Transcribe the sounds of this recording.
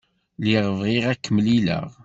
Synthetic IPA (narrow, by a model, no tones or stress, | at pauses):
liʁəvˤiʁækːəməlilə̰ʁ